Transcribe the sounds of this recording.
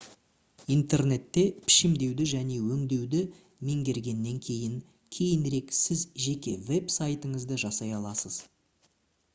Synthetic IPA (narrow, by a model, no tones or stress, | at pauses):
ijnt̪e̞rne̞t̪ːe̞pʰɪ̥ʃɪmd̪e̞wd̪ɪʒæne̞wɵŋd̪e̞wd̪ɪ | me̞ŋɡʲe̞ɾɡʲe̞nːe̞ŋkʲʰe̞jɪŋ | kʲʰe̞jɪnɾe̞ksɪzʒe̞kʲe̞̰ve̞psajt̪əɴəzd̪əʒɑsɑjɑlˠɑsəz̥